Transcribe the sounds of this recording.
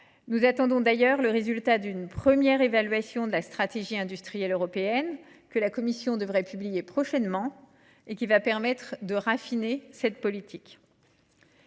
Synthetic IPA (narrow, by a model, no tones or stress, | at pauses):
nuzat̪ɑ̃d̪ɔ̃d̪ajœʁləʁezylt̪ad̪ynpχəmjɛʁevalɥasjɔ̃d̪əlast̪χat̪eʒiɛ̃d̪yst̪χijɛløʁɔpeɛn | kəlakɔmisjɔ̃d̪əvʁɛpyblijepχɔʃɛnmɑ̃ | ekʲivapɛʁmɛt̪χd̪əʁafinesɛt̪̚pɔlit̪ʰik